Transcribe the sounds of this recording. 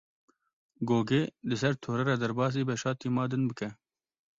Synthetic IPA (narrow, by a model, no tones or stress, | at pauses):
ɡoːɡeːlɨsɛɾt̪ʰoːɾɛɾɑːd̪ɛɾbɑːs̬iːbɛʃɑːt̪iːmɑːd̪ɨnbɨkɛ